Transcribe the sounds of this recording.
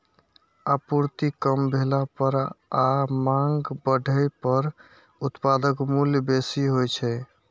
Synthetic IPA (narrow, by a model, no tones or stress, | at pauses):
apuɾt̪ikəmbʱelapəɾamãŋɡbəɖʱəjpəɾ | ut̪pad̪əkmuljbesiɦojt͡ʃʰɛ